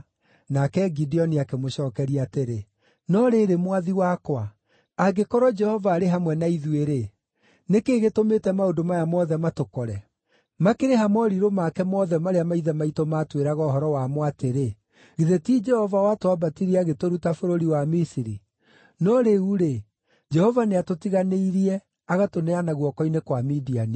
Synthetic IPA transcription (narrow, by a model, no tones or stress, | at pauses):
nakɛɡidiɔniakemoɕɔːkɛɾiateɾe | nɔɾeɾemwaðiwakwa | aɡekɔɾɔd͡ʒɛhɔvaːɾeɦamwɛnaiðweɾe | nekeːɣetometɛmaodomajamɔðɛmatokɔɾɛ | makeɾeɦamɔɾiɾomakɛmɔðɛmaɾeamaiðɛmaitomatweɾaɣɔːɦɔɾɔwamwateɾe | ɣiðetiːd͡ʒɛhɔvawatwabatiɾiaɣetoɾutafoɾoɾiwamisiɾi | nɔɾeuɾe | d͡ʒɛhɔvaneatotiɣaneiɾiɛ | aɣatonɛanaɣwɔkɔinekwamidiane